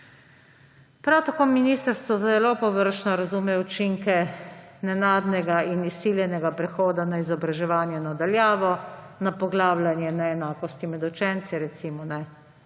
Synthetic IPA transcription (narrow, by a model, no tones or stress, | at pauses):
pɾawt̪akoːminiːst̪əɾst̪ʋɔzzɛlopɔʋəɾʃnɔɾazumɛut͡ʃiŋkɛnɛnaːd̪nɛɡainisiːljɛnɛɡapɾɛxoːd̪anaizɔbɾaʒɛʋaːnjɛnad̪aljaːʋɔ | napɔɡlaːblanjɛnaɛnaːkɔst̪imɛd̪ut͡ʃɛnt̪siɾɛt̪simɔnɛ